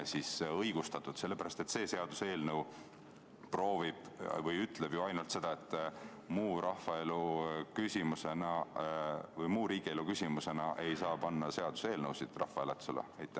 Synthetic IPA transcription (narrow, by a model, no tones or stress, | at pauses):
sisɤjɡ̥ust̪ɑt̪ːˑud̪̥se̞lːe̞pæɾɑst̪e̞t̪se̞ːse̞ɑd̪̥use̞ːlnɤw | pro̞ːvib̥vɤjyt̪ˑle̞b̥juɑjnult̪se̞d̪̥ɑet̪ˑː | muːɾɑhɑe̞lukysʲimuse̞nɑ | vɤjmuːɾiːɡ̥ie̞lukysʲimuse̞nɑʔe̞jsɑːpɑnːɑse̞ɑd̪̥use̞ːlnɤwsid̪̥rɑ̰hfɑelet̪sulḛejt̪ːˑæ